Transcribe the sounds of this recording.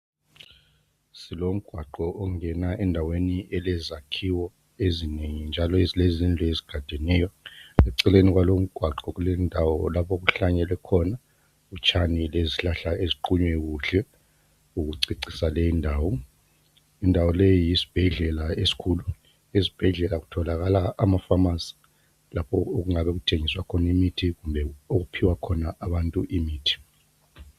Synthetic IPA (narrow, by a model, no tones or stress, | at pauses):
silom̩ɡ̥ʱwaǃɔʔɔŋɛnaʔɛndʱaweniʔɛlɛzakʰiwɔ | ezineŋind͡ʒʱalɔzlezind͡ɮʱɛeziɡ̥ʱad̥ʱɛnɛːjɔɛǀɛlenik̬walom̩ɡ̥ʱwaǃɔk̬ulɛndʱawɔlapʰok̬uɬaɲɛlɛkʰɔna | ut͡ʃʰanileziɬaɬaeziǃuɲwɛk̬uɬɛ | uk̬uǀiǀisalejindʱaːwɔ | indʱawɔlejijisi̥b̥ʱɛɮɛlaesi̥kʰuːlu | esi̥b̥ʱɛɮɛlaɣutʰɔlaɣalaːmafamasi̥ | lapʰɔoɣ̬uŋaβɛɣ̬utʰeŋiswakʰɔnimitʰiɣumbʱɛoɣ̬upʰiwakʰɔnaʔaβantʼuʔimiːtʰi̥